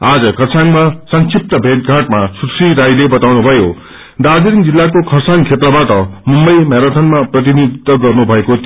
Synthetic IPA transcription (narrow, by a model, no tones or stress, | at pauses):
ad͡zʌkʰʌrsaŋmasʌŋkʰip̚t̪ʌbʱet̪̚ɡʱaʈmasuʈsiɾajlebʌt̪awnubʱʌjo | ɖad͡ziɾiŋd͡zilːakokʰʌrsʰaŋkʰep̪ɾabaʈʌmumbʌjmeɾat̪ʰʌnmaprʌt̪̬inid̪it̪ːʌɡʌrnubʱʌekot̪